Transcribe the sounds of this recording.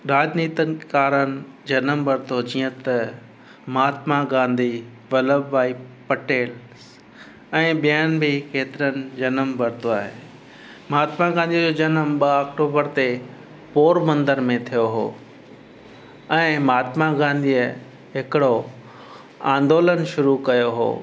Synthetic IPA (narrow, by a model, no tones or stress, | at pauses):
ɾaːd͡ʑniːt̪ənɪ̆kaːɾənɪ̆d͡ʑɐnəmbɐɾɪt̪ʰod͡ʑiːə̃t̪ɐ | maːt̪maɡãːnd̪i | ʋɐləbʋaːipɐʈeːls | ɛ̃ːɓijanɪ̆bʱɪkeːt̪ɪɾənɪ̆d͡ʑɐnəmbɐɾt̪ʰoaːɦeː | maːt̪maɡãːnd̪id͡ʑoːd͡ʑɐnəmɓɐaːk̚ʈoːbəɾt̪e | poːɾmɐ̃nd̪əɾmẽt̪ʰijoɦo̰ː | ɛ̃ːmaːt̪maɡãːnd̪iə | ɦɪkɪɽo | ã̰ːnd̪oːlənʃʊɾukɐjoɦo̰ː